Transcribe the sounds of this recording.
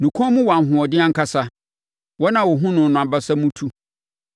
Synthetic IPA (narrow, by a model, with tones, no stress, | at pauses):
nũ˨kʷʰɔ̃˦mũ˦wã˨ɦʊ̃˨ɔ˨dɪ˦ã˦ŋ̩˦kʰa˦sa˦ | wɔ˦nã˨wɔ˨ɦʊ̃˦nʊ̃˨n˨nʊ̃˨a˨ba˦sa˦mũ˦tʰu˦